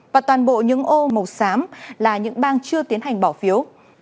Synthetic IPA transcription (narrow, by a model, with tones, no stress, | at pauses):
vaː˨˩t̪waː˨˩nɓo̰˧˨ɲɨ̰˧˥ŋʔo˧mə˨˩wsaː˨˦mlaː˨˩ɲɨ̰˧˥ŋɓaː˧nt͡ɕɨ˧ət̪i˨˦ənɦa˨˩jŋ̟ɓaː˧˩wfi˨˦əw